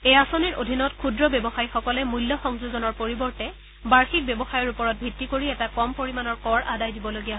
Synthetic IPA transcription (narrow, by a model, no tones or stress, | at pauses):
ejasoniɹʔodʱinɔtkʰudɹɔbebɔxajxɔkɔlɛmulːɔxɔŋzuzɔnɔɹpoɹibɔɹtɛ | baɹxik̚bebɔxajɔɹupɔɹɔt̚bʱitːikoɹiɛtakɔmpoɹimanɔɹkɔɹʔadajdibɔloɡijaɦ